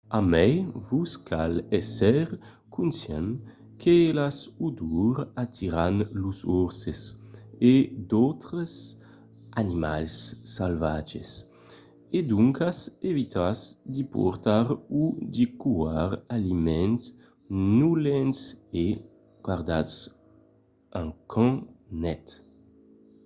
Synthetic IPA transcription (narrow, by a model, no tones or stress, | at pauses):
amɛjvuskʰalɛsɛɾ | kʰunsjɛ̰n | kʰelasud̪uɾat̪ʰiɾanluzuɾsesed̪ɔwt̪ɾəs | animalsːalvad͡ʒḛs | ed̪uŋkasevit̪ʰasd̪ipṵɾt̪aɾud̪ikuaɾalimɛ̃ns | nulɛnse | ɡwaɾd̪at̪s | ãŋkʰɑ̃nɛt̪